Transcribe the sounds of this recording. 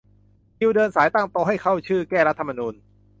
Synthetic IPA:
ji˧wdɤː˧nsaː˩˦jt̪a˥˩ŋt̪ɔː˧ɦa˥˩jkʰa˥˩wt͡ɕʰɯː˥˩kɛː˥˩ɾa˦˥t̪ʰːa˧ma˧nuː˧n

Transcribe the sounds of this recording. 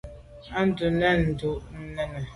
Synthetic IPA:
a˦n̩˦du˨nɛ˦n̩˨du˨n̩˦nɛ˦nə˨

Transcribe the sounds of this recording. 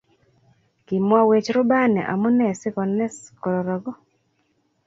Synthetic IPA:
kɪ˨mwa˦we˨t͡ʃɾʊ˦ba˦nɛ̰˨ʔa̰˨mu˦nɛ˦˨sɪ˦kɔ˨nɛ˦skɔ˨ɾɔ˨ɾɔ˨ɡɔ˦

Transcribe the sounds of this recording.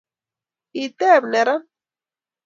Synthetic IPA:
it̪e˦bneɾa˦

